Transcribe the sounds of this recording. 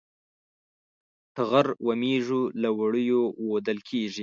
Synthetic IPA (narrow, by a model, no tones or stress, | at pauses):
ʈaɣaɾwameʐulawaɽəjowod̪əlkʰeʐi